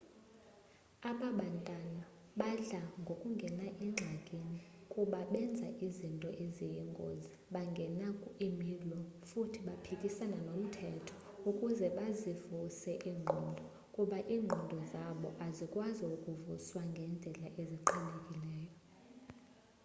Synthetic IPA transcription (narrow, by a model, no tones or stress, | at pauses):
aɓaɓantʼana | ɓaɮaŋɡʱokʼuŋɡʱɛnaʔiŋ͡ǁʱakʼinikʼuɓaɓɛnd͡zʱaʔizintʼɔʔezijiŋɡʱʼo̰ziɓaŋɡʱɛnakʼuemilɔfutʰiɓapʰikʼisananom̩tʰɛtʰɔ̥ | ukʼuzɛɓazivusɛʔiːŋ͡ǃʱindʱɔ | kʼuɓaʔiːŋ͡ǃʱindʱɔzaɓɔʔazikʼwaziukʼuvuswaŋɡʱɛnd͡ɮʱɛlaʔeziǃʰinekʼilɛːjɔ